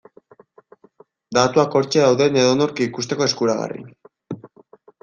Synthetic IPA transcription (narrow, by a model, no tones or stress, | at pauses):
d̪at̪uako̞ɾt͡ʃe̞ðawðe̞ne̞ðono̞ɾkiikust̪e̞ko̞e̞skuɾaɣa̰rḭ